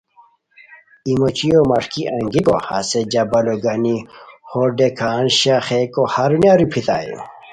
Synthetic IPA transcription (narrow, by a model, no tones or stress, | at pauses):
imot͡ɕijomɐʂkiʔɐŋɡiko̰ha̰sed͡ʑɐbɐloɡɐnihoɖekʰaːnɕaxekohaɾunjaɾupʰit̪a̰ːjṵ